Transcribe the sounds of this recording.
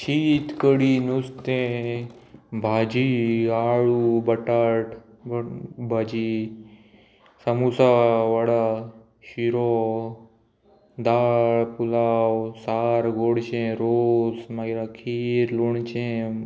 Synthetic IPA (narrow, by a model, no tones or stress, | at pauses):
t͡ɕiːt̪kəɽinust̪ẽ | bʱad͡ʒiaɭubəʈaʈ | bʱad͡ʑi | səmusaʋaɽa | ɕiɾɔ | d̪aːɭpulawsaɾɡʱoɽt͡ɕẽɾoːsmaɡiɾakʰiɾluɳt͡ʃẽ